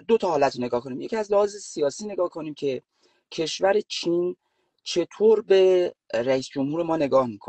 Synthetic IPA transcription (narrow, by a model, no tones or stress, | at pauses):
d̪ot̪ʰɒhɒːlæt̪ɾone̞ɡɒːhko̞niːmje̞cʰiæzlehɒːzesijɒːsiːne̞ɡɒːhkʰoniːmcʰe̞ | cʰe̞ʃvæɾe̞t͡ʃʰin | t͡ʃʰe̞t̪ʰoːɾbe̞ɾæiːsd͡ʒomhuːɾemɒːne̞ɡɒːhmikʰo̰